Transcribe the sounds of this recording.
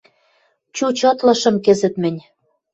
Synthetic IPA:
t͡ɕut͡ɕɤt̪lɤ̆ʃɤ̆mkɘ̆zɘ̆t̪mɘ̆nʲ

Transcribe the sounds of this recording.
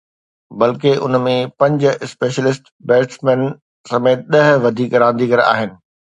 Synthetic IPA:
bɐlk̬eʔʊ̰nmẽpɐ̃ɲd͡ʑɪspeːʃəlɪsʈ | bɛːʈsmɛ̃ːn | sɐmeːt̪̚ɗɐɦʋɐd̪ʱiːkɾãːnd̪ikɐɾa̰ːɦɪnɪ̆

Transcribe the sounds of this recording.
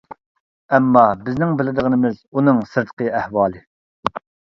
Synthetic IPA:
ɛmːɑbɪznɪŋbɪlɪd̪əʁənɪmɪzunɨŋsɨɾd̪ə̥qʰəæhwɑːlˠɨ

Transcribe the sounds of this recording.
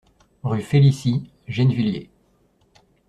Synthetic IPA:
ʁyfelisi | ʒɛnviljḛ

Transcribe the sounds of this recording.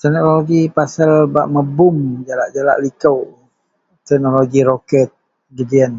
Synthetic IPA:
t̪ɛknooloɡipasalba̰ʔməbʊmd͡ʒalaʔd͡ʒala̰ʔlikəw | t̪ɛk̚noloɡiɾokɛt̪̚ | ɡədiən

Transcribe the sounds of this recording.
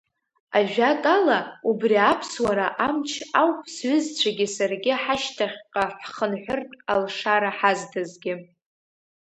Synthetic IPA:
aʒᶣakʼalaubriapʰswaɾaʔamt͡ʃʰawpʰsɥʷʏzt͡ɕʷʰaɡʲɪsarɡʲɪħaʃtʰaχʲqʼaħχənħʷʊrtʼalʂaɾaħazdʰazɡʲɪ

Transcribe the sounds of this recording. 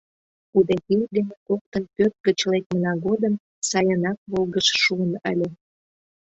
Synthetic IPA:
ud̪ekild̪enekok̚t̪ənpøt̪̚ɡət͡ɕlek̚mənɑɣod̪əm | sɑjənɑk̚βolɣəʃʃuənəlʲe

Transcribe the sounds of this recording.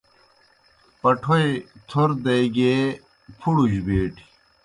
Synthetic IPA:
pɐʈʰojt̪ʰoɾd̪ɐjɡeː | pʰuɽud͡ʑbeːʈʰi̥

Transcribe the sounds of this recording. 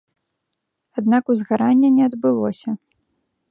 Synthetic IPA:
ad̪nakuzɣaɾanʲːɐnʲɛɐd̪bɨlˠɔsʲɐ

